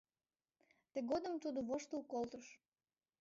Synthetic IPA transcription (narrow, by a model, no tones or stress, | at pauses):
t̪əɡod̪əmt̪ud̪oβoʃt̪ulkolt̪əʃ